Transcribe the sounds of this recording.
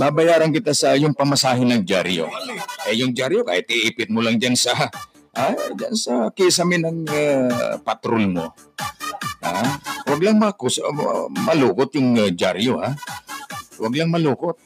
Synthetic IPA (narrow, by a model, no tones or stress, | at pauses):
babɐjaːɾankɪt̪asɐjʊŋpɐmasaːɦɪnɐŋd͡ʒa̰ɾjo̰ʔɛjʊŋd͡ʒaɾjoka̰ːjɪt̪ɪʔiːpɪt̪̚mʊlaŋd͡ʒansɐ | ʔad͡ʒansɐkɪs̬ɐmɪnɐŋapat̪ɾolmo̰ | awɐɡlaŋmɐkusmɐluːkot̪̚jʊŋd͡ʒaɾjoha | wɐɡlaŋmɐluːkot̪̚